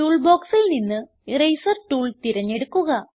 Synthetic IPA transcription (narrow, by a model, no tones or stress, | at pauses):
uːɭbo̞ːksilninːɨ | rejsɐrʈuːɭt̪iɾɐɲːe̞ɽukːuɣɐ